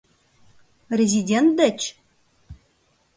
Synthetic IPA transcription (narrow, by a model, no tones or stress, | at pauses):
rʲezʲidʲent̪̚d̪ət͡ɕ